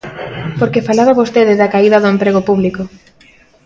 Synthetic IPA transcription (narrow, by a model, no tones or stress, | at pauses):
poɾkefalaβaβost̪eðɪðakaiðɐðʊempɾeɣ̞opuβliko